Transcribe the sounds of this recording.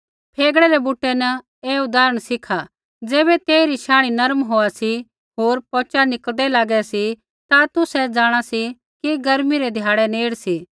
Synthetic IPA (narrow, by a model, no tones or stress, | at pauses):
pʰeːɡɽɛɾɛbuːʈːɛnɐ | eːʊd̪aːɾəɽ̃sɪkʰa | d͡zeːbɛt̪eːiɾiʃãːɽ̃inɐɾmɦoːasi | ɦoːɾpɔːt͡ʃanɪkld̪ɛlaːɡɛsi | t̪at̪ʊsɛd͡zaːɽ̃asi | kiɡɐɾmiɾɛd̪ʱjaːɽɛneːɽsiː